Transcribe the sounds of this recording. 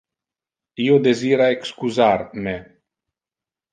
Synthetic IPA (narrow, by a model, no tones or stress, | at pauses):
iod̪eziːɾaekskuzaɾme